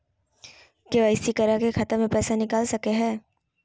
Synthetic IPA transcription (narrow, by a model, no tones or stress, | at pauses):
keɐɪsikɐɾakexʰɐt̪əɾmẽpɛːsanɪkaːlsɐkeɦɛː